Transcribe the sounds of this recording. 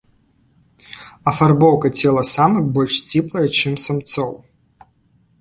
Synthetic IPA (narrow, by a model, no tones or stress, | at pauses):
ɐfɐrbɔwkɐt͡sʲɛlˠɐsamɨxbɔlʲʂsʲtʲiplˠɐjɐt͡ɕɛmsɐmt̪sɔw